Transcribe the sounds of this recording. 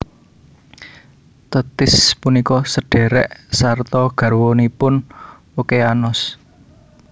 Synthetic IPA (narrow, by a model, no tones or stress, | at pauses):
t̪ət̪ɪspunikɔsəɖ̥ɛ̤ɾɛʔsart̪ɔɡ̥ä̤rwonipʊn | okeanɔs